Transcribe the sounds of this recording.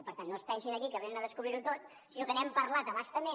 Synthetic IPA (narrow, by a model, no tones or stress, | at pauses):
pəɾt̪anːoəspɛnsinəkikəβenənəðəskuβɾiɾut̪ot̪̚ | sinokənɛmpəɾlat̪əβaʃt̪əme